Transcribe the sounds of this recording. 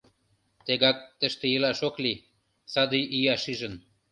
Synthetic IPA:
t̪eɡɑk̚t̪ə̆ʃt̪ĕilɑʃokli | sɑd̪iʔijɑʃiʒə̆n

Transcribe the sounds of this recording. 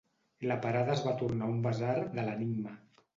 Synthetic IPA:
lapaɾaðaəzβat̪uɾnaumbazaɾðələniɡ̚mə

